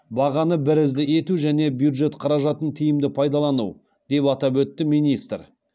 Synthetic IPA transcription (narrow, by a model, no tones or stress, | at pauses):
bɑʁɑnəbɪɾɪzd̪ɪe̞t̪uʒæne̞bjud̪ʒe̞t̪qʰɑɾɑʒɑt̪ənt̪ʰijɪmd̪ɪpʰɑjd̪ɑlˠɑnṵ | d̪̥e̞pɑt̪ɑbwɵt̪ːɪmijnijst̪ɾ